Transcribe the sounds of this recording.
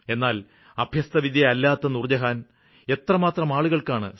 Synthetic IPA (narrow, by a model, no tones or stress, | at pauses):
e̞nːaːl | ɐbʱjɐst̪ɐʋid̪jɐɐlːaːt̪ːɐnurd͡ʑɐɦaːn | e̞t̪rɐmaːt̪rɐmaːɭuɣɐɭkaːɳɨ̰